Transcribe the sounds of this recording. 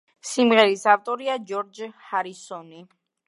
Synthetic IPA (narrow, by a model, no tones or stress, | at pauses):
simʁɛɾisaft̪ʼɔɾiad͡ʒɔɾd͡ʒhaɾisɔni